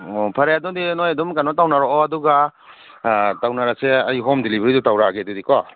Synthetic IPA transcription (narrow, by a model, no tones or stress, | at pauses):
pʰaɾajadudinojadumkanɔtawnaɾɔːaduɡa | tawnaɾaseajɦɔmdilibɾidutawɾaɡedudikɔ